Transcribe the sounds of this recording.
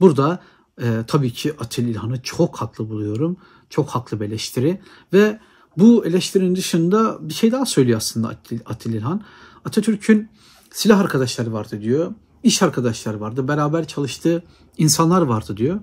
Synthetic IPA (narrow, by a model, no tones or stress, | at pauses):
buɾd̪a | t̪ʰabiːcʰiʔat̪ʰilʲilʲhanɯt͡ʃʰokhaklˠɯbulˠujo̞ɾum | t͡ʃʰo̞khaklˠɯbe̞lʲɛʃt̪ʰiɾi | vɛ | buelʲɛʃt̪ʰiɾinind̪ɯʃɯnd̪abiʃe̞jd̪aːasø̞jlʲijoaslˠɯnd̪a̰at̪ʰilʲilʲɦan | at̪ʰat̪ʰyɾcʰyn | silʲaɦaɾkʰad̪aʃlˠaɾɯvaɾd̪ɯd̪ijo | iʃaɾkʰad̪aʃlˠaɾɯvaɾd̪ɯbeɾaːbæɾt͡ʃʰalˠɯʃt̪ʰɯː | insanlˠaɾvaɾd̪ɯd̪ijo